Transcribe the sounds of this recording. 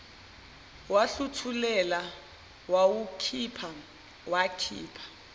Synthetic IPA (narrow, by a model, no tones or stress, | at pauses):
waɬutʰulɛla | wawukʰipʰa | wakʰḭːpʰḁ